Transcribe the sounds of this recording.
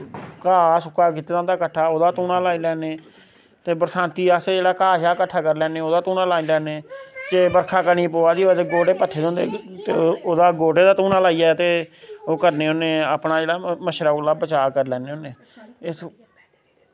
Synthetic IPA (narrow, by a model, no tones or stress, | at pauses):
kaːsʊkaːk̬iːt̪ːeːãːnd̪aːkəʈʰːaːoːd̪aːt̪uːnãːlaːiːlɛːneː | t̪eːbəɾsãːnt̪iːaːseːd͡ʒeːɽaːkaːʃaːkəʈʰːaːkəɾlɛːneːoːd̪aːt̪uːnãːlaːiːlɛːneːt̪eːbəɾkʰaːkəñiːpoːaːd̪iːat̪eːɡoːʈeːpət̪ʰːeːd̪eʊ̃nd̪ḛːt̪eːoːd̪aːɡoːʈeːd̪aːt̪ũːnãːlaːiːɛːt̪eːoːkəɾneːɦõːneːaːpnaːd͡ʒeːɽaːməʃɾaːlaːbət͡ʃaːkəɾlɛːneːoːneː | ɪs